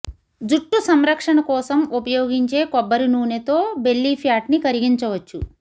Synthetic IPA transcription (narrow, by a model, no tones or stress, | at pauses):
d͡ʒuʈːusɐmɾɐkʂɐɳɐkɔːsɐmupɐjoːɡiɲt͡ʃe̞ːkɔbːɐɾunuːnet̪o̞ːbe̞lːipʰjaːʈnikɐɾiɡiɲt͡ʃɐʋɐt͡ʃːu